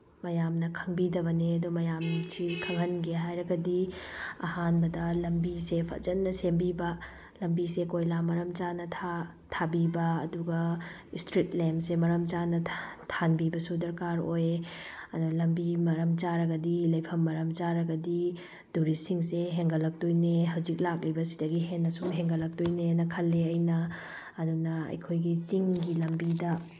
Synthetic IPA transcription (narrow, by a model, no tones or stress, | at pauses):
mɐjamnɐkʰɐŋbidɐβɐneɐdumɐjamsikʰɐŋɦɐnɡeɦajɾɐɡɐdiɐ̰hanbɐdɐlɐmbisepʰɐ̰d͡ʒɐnːɐsembibɐ | lɐmbisekojlamɐɾɐmt͡ʃanɐtʰa | tʰabibɐ̰ːduɡɐistɾitlemsemɐɾɐmt͡ʃanɐtʰanbibɐsudɐɾkaɾojɐnulɐmbimɐɾɐmt͡ʃaɾɐɡɐdilɐjpʰɐmːɐɾɐmt͡ʃaɾɐɡɐdi | d̥uɾisiŋseɦeŋɡɐlɐk̚tojneɦɐwzik̚lak̬̚libɐsi̥dɐɡiɦenːɐsuɦeŋɡɐlɐk̚tojnenɐkʰɐlːeɐjnɐː | dunɐɐ̰jkʰojɡisiŋɡilɐmbidɐ